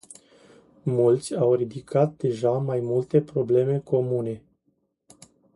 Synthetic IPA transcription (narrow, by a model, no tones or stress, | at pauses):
mult̪sʲawɾid̪ikʰat̪̚d̪e̞ʒamajmult̪e̞pɾo̞ble̞me̞ko̞mune̞